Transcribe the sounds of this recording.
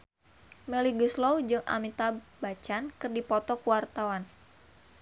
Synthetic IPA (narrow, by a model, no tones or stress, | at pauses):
mɛliɡuslɔwd͡ʒɨŋʔa̰mit̪abat͡ʃankɨrdipɔt̪ɔkuwart̪awan